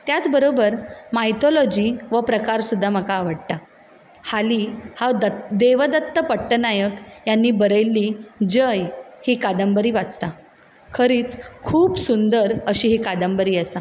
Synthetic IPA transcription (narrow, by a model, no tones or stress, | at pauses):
t̪jat͡sbəɾobəɾmajt̪olɔd͡ʑiːʋəpɾəkaɾsud̪ʱːaməkaːʋəɽt̪a | haliːhawd̪əd̪eʋəd̪ət̪ːəpəʈːənajəkjanːiːbəɾəjlːiːd͡ʑəjhiːkad̪əmbəɾiːʋat͡st̪a | kʰəɾiːt͡skʰuːbsund̪əɾəɕiːɦikad̪əmbəɾiːəsa